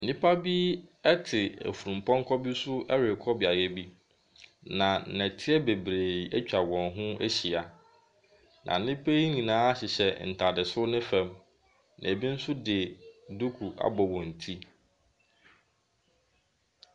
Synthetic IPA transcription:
n̩˨nĩ˦pʰa˦bi˦ɛ˦tʰɪ˨æ̰˨fu˨ɾũ˨m˨pʰɔ̃˦ŋ̩˦kʰɔ˦bi˦sʊ˦ʔɛ˦ɾɪ˨kʰɔ˦bɪ˨a˨jɛ˦bi˦ | nã˨nɛ̃˨tʰɪ˦ɛ˦be˨bɾeː˨ɛ̰˦t͡ɕᶣa˨wɔ̃˨nɦʊ̃˦æ˦ɕi˨a˨ | nʔã̰˨n̩˨nɪ̃˦pʰe˦i˦ɲĩ˨nãː˦a˦ɕɪ˨ɕɛ˨n̩˨tʰa˨dɪ˨sʊ˦nɪ̃˦fɛ̃˨m | nʔæ˨bi˦n̩˦sʊ˦dɪ˨du˦kʰu˨ʔa̰˦bɔ˨wɔ̃˨n̩˨tʰi˦

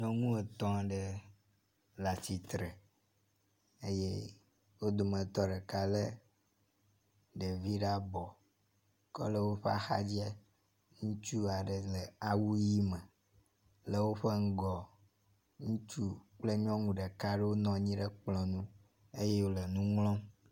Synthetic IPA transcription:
ɲɔ̃˦ŋũ˦e˨t̪ɔ̃˦˨ɖe˨ | la˨si˨t̪ɾe˨ | e˦je˦ | wo˦d̪o˨mə̃˨t̪ɔ˦ɖe˨ka˦le˦ | ɖe˨vi˦ɖa˦bɔ˨ | kɔ̰˦lə˦wo˦ɸe˦a̰˦xa̰˦d͡ʑi˦ɛ˦ | ŋũ˦t͡ʃu˦a˨ɖe˨le˨a˨wu˦ji˦me˨ | le˨wo˦ɸe˦ŋ̩˦ɡɔ˨ | ŋũ˦t͡ʃu˦k͡ple˦ɲɔ̃˦ŋũ˨ɖe˨ka˦ɖe˦wo˦nɔ̃˨ɲĩ˦ɖe˦k͡plɔ̃˨nũ˦ | e˦je˦wo˦le˨nũ˦ŋlɔ̃˦m

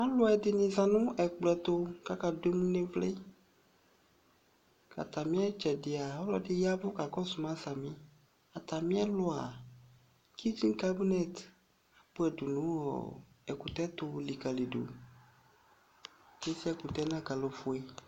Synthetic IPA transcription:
a˦lʊ˦ɛ˨dɪ˨nĩ˨zã˨nʊ̃˦ʔɛ˨k͡plɛ˨t̪ʊ˦ka˦ka˨de˦mũ˦nẽ˦vle˦ | ka̰˨t̪a˨mĩ˦ɛ˦t͡ʃɛ˨dɪ˨a˨ɔ˦lɔ˦dɪ˦ja˦bʊ˦ka˨kɔ˦sʊ˨mã˦sa˨mĩ˦ | a˨t̪a˨mĩ˦ɛ˦lʊ˦a˨ | kʰi˦d͡ʒĩ˦nka˦bi˦nɛ˦˨t̪ | a˨pʊ˦ɛ˨du˨nũ˦ɔ̰˨ | ɛ˨ku˨t̪ɛ˦t̪ʊ˦˨li˨ka˨le˨do̰˨ | d͡ʒe˦si˦ɛ˦ku˨t̪ɛ˦nã˦ɡa˨lo˨fʊ˨ɛ˦

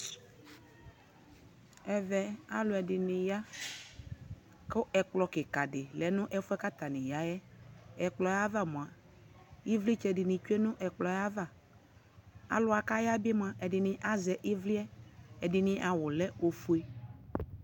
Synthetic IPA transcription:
ɛ˨vɛ˨a̰˨lʊ˨ɛ˨dɪ˨nɪ̃˨ja˦ | ke˦ʔɛ˨k͡plɔ˨kɪ˨ka˨dɪ˨lɛ˨nʊ̃˦ʔɛ˦fu˦ɛ˦ka˦t̪a˨nɪ̃˨ja˦jɛ˦ɛ˨k͡plɔ˨ja˦va˦mõ˨a˨ | ji˦vli˦t͡ʃɛ˨dɪ˨nɪ̃˨t͡ʃu˦e˦nʊ̃˦ʔɛ˨k͡plɔ˨ja˦va˨ | a̰˨˦lʊ˦a˨ka˦ja˦bɪ˦m˦ã˨ʔɛ˨dɪ˨nɪ̃˨ʔa˦zɛ˨ʔɪ˦vli˦ɛ˦ɛ˨dɪ˨nɪ̃˨˦ʔa˨wʊ˨lɛ˦o˨fu˦e˦

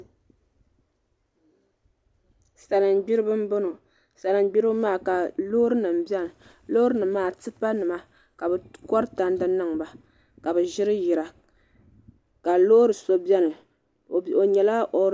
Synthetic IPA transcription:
sa˨lɨ˨mɡ͡bi˦ɾɨ˦bɨ˦m̩˦bo˦no˨ | sa˨lɨ˨mɡ͡bi˦ɾɨ˦bmaː˦˨ka˨loː˦ɾɨ˦nɨ˨m˨bjɛ˦nɨ˨ | lo˦ɾɨ˦nɨ˨maː˨tɨ˦pa˦nɨ˨ma˦ | ka˨bɨ˨kɔ˦ɾɨ˦ta˨n˦dɨ˦nɨ˦ŋba˨ | ka˨bɨ˨ʒɪ˦ɾɨ˦ji˨ɾa˨ | ka˨lo˦ɾɨ˨so˦bjɛ˦nɨ˨ | o˨ɲɛ˨la˦o˨

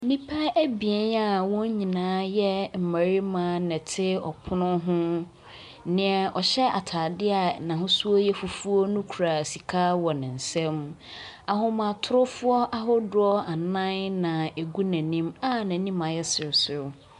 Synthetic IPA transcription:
nĩ˦pʰa˦æ˦bi˨ɛ˦na˨wɔ̃˦ɲĩ˨nãː˦jɛ˦m̩˨mæ˨ɾi˦mã˦nɛ̃˨tʰɪ˦ɔ̰˨pʰʊ˦nʊ̃˦ɦʊ̃˦ | nɪ̃˨ɛ˨ʔɔ˨ɕɛ˦a̰˨tʰa˨dɪ˦a˨nã˨ɦʊ̃˦su˦o˦jɛ˦fu˨fu˦o˦nʊ̃˦kʰu˨ɾa˨si˨kʰa˦wɔ˨nɪ̃˨n̩˨sɛ̃˦ma˨ɦʊ̃˦mã˨tʰʊ˦ɾʊ˦fʊ˦ɔ˦ʔa˦ɦʊ˦dʊ˦ɔ˦a˨nã˦nnã˨e˨ɡu˦næ̃˨nĩ˦ma˦nã˨˦nĩ˦mã˨jɛ˦sɪ˨ɾsʊ˨

